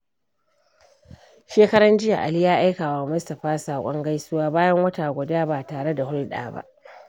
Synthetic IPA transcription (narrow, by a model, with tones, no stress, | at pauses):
ʃeː˦kɐ˦ɽɐ˦nd͡ʒɪ˦ja̰˨ʔa̰˨li˦jaː˦ʔa˦jkaː˨waː˨mʊ˦stɐ˨ɸaː˦saː˨kʷʼɔ˦ŋɡa˦jsʊ˦waː˦baː˦jɐ˦ŋwɐ˦ta˨ɡʷʊ˨daː˦baː˨taː˨ɽe˦da˨hʊ˦lɗa̰ː˨ba̰˦ʔ